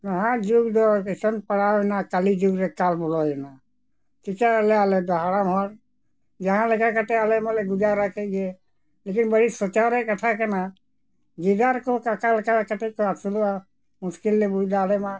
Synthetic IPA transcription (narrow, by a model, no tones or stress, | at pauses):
naɦãd͡ʒuɡdɔkesɔnpaɽaɛnakalid͡ʒuɡɾɛkalbɔlɔɛna | tikaːlɛalɛd̪ɔɦaɽamɦɔɾ | d͡ʒaɦãlɛkakatɛalɛmalɛɡud͡ʒaɾakeɡe | lekinbəɽisɔt͡ʃaɾɛkat̪ʰakana | ɡid̪aɾkɔkakalkalkatɛkɔasula | muskilːebud͡ʒd̪aːlɛma